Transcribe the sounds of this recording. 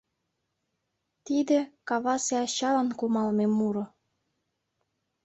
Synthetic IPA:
t̪id̪ĕkɑβɑseɑɕɑlə̆nkumɑlmemuɾŏ

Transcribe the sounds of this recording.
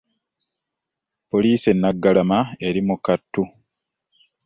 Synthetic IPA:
po̞liːse̞nːaɡːalamae̞ɾimukatːu

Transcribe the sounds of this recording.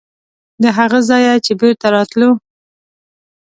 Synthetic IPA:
d̪əɦaɣazɑjat͡ʃebeɾt̪aɾɑt̪lo

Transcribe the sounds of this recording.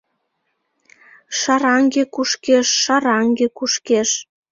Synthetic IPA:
ʃɑɾɑŋɡekuʃkeʃːɑɾɑŋɡekuʃkeʃ

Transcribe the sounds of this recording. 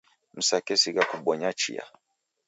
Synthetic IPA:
m̩sakɛsiɡakuɓɔɲat͡ʃḭa̰

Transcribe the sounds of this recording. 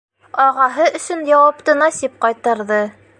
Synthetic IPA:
ɒʁɑɦɤʔɵ̆sɵnjɑwɑpt̪ɤnɑsip̚qɑjt̪ɑɾðɤ

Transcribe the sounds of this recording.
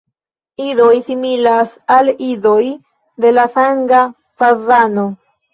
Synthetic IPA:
ido̞jsimilasalido̞j | d̪e̞lasaŋɡa | fazano̞

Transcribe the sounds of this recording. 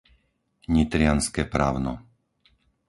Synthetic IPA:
ɲit̪ɾɪanskɛːpɾaːʊnɔ̰

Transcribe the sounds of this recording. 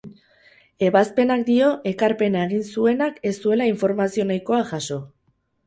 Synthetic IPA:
e̞βaspe̞nak̚d̪io̞ʔe̞kaɾpe̞nae̞ɣ̞insue̞nake̞st̪ue̞laiɱfo̞ɾmasio̞najko̞aʝaso̞

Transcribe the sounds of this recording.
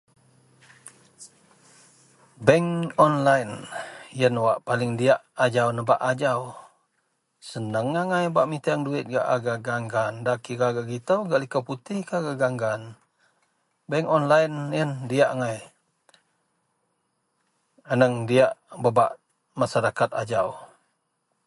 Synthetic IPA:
bɛŋɔnlajnjənwaʔpalɪŋdiaʔad͡ʒawnəbaʔad͡ʒaw | sənəŋːaŋajbaʔmit̪aaŋduɪt̪̚ɡaʔaɡaɡaŋɡandakiɾaɡaʔɡit̪əwɡaʔlikəput̪ɪhkaɡaɡaŋɡan | bɛŋɔnlajnjəndiaʔaŋaj | ənəŋdiaʔbəba̰ʔ | masaɾakat̪ad͡ʒaw

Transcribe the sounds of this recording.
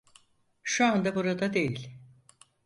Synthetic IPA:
ʃuand̪abuɾad̪ad̪e̞jilʲ

